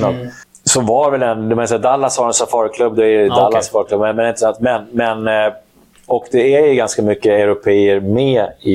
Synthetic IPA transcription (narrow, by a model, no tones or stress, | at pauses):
nad̪ | sɔvaɾvɛlɛnd̪ɛmansɛad̪alːashaɾɛnsafɑːɾkʰlɵbːd̪ɔɛd̪alːasfɑːɾklɵbmɛmɛnɛɪnt̪əsant̪mɛnmɛn | ɔkd̪ɛæɾjɵɡanskamʏkːəɛɾʊpʰeːəɾmeːɪ